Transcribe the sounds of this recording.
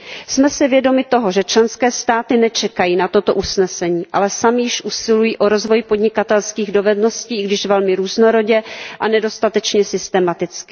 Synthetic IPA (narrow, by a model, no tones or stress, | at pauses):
smɛsɪvjɛdo̞mɪt̪o̞ɦo̞ʒɛt͡ʃlɛnskɛːst̪aːt̪ɪnɛt͡ʃɛkajiːnat̪o̞t̪o̞ʔusnɛsɛɲiːʔa̰lɛsamɪjɪʃʔusɪlujiːʔo̞ɾo̞zvo̞jpo̞dɲɪkat̪ɛlskiːɣdo̞vɛdno̞sciːɪɡdɪʃvɛlmɪɾuːzno̞ɾo̞ɟɛʔanɛdo̞st̪at̪ɛt͡ʃɲɛsɪst̪ɛmat̪ɪt͡skɪ̥